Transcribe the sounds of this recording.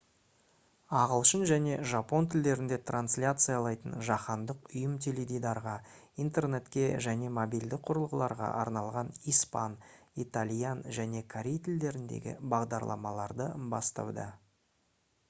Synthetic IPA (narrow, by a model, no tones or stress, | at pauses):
ɑʁəlˠʃənʒæne̞ʒɑpo̞nt̪ʰɪld̪e̞ɾɪnd̪e̞t̪ʰranslʲat̪sɨjalˠɑjt̪ənʒɑχɑnd̪əqʊjəmt̪ʲʰeled̪ijd̪ɑɾʁɑ | int̪e̞rne̞t̪kʲe̞ʒæne̞mobild̪ɪk̚qʰʊɾəlˠʁəlˠɑɾʁɑ̰ʔɑ̰ɾnɑlˠʁɑnijspanit̪alʲijanʒæne̞kʰaɾʲejt̪ɪld̪e̞ɾɪnd̪ḛɡʲɪ̰bɑʁd̪ɑɾlˠɑ̰mɑlˠɑɾd̪əbɑ̰st̪ɑ̰wd̪ə̰